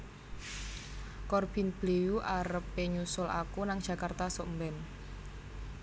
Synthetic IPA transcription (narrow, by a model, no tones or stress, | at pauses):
kɔrb̥i̤nb̥leuʔaɾəpːeɲusʊlʔa̰kunaŋ̥ʒ̥a̤kart̪asoʔmbɛn